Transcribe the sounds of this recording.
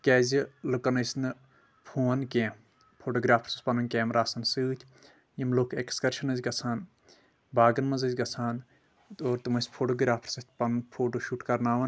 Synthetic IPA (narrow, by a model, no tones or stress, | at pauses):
kʲɛːzʲilɨkɐnɐsʲnɨ | pʰuːɐnkẽːm | pʰoːʈoɡɾaːpʰɾ̥sɐspɐnɐnkʲeːmɾaːsɐnsɨːt̪ʲʰ | jimloːkʰekskɐɾʃɐnɐzʲɡɐsʰaːn | baːɡɐnmɐzɐzʲɡɐsʰaːn | t̪oːɾt̪ɨmɐsʲpʰoːʈoːɡɾʲaːpʰɾsɐt̪̚ʲʰpɐnpʰoːʈoːʃuːʈkɐɾnaːʋɐn